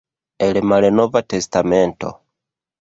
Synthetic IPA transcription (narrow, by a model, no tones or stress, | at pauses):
elemalenovatestamento̰